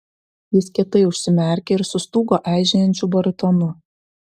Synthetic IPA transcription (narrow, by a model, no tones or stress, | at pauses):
jɪskʲɪt̪ɐɪʊʃʲsʲɪmʲɛˑɾʲkʲeɪɾsʊst̪uːɡoːʔæˑɪʒʲɛjɛnʲt͡ʃʲuːbɐɾɪt̪ɔnʊ